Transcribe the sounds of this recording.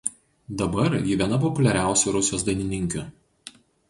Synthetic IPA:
d̪ɐbɐɾjɪʋʲiɛnɐp̬ɔpʊlʲɛɾʲæˑʊsʲʊɾʊsʲɪjoːsd̪ɐɪnʲɪnʲɪŋʲkʲʊ

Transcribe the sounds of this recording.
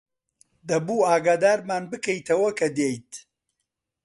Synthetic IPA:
d̪ɐbuːaːɡaːd̪aːɾmaːnbɨkɐjt̪ʰɐwɐkʰɐd̪ejt̪

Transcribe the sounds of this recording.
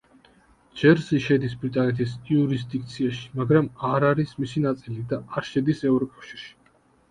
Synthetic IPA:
d͡ʒɛɾzɛʃɛd̪isbɾit̪ʼanɛt̪ʰisiuɾisd̪ik̚t̪sʰiaʃi̥maɡɾamaɾaɾismisinat̪sʼilid̪aːɾʃɛd̪isɛvɾɔkʼafʃiɾʃi̥

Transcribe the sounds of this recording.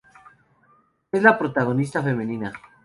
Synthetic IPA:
ezlapɾo̞t̪aɣ̞o̞nis̬t̪afe̞mẽ̞nĩna

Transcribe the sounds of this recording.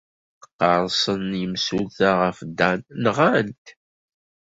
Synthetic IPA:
qːɑɾˤsˤənimsuθaʁəfd̪ænnʁænt̪

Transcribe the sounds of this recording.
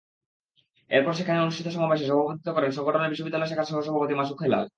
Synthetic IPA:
ḛɾpɔɾʃekʰaneonuʃʈʰit̪oʃɔmabeʃ̬eʃɔbʱabʱot̪it̪okɔɾenʃɔŋɡoʈʰoneɾbiʃːobid̪ːalɔjʃekʰaɾʃɔɦoʃɔbʱapot̪̬imaʃukʰajla̰l

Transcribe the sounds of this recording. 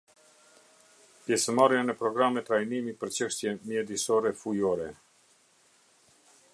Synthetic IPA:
pjɛsəmaɾjanɛpɾɔɡɾamɛt̪ːɾajnimipəɾt͡ɕəʃt̪jɛmjɛd̪isɔɾɛfujɔɾɛ

